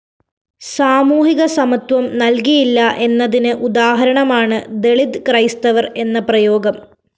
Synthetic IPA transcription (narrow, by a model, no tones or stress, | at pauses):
saːmuːɦiɣɐsɐmɐt̪wɐmnɐlkijilːɐʔe̞nːɐðinɨʔud̪aːɦɐɾɐɳɐmaːɳɨd̪e̞ɭid̪krɐjst̪ɐʋɐre̞nːɐprɐjo̞ːɡɐm